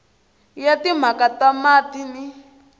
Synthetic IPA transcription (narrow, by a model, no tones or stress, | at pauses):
jatim̤akatamatini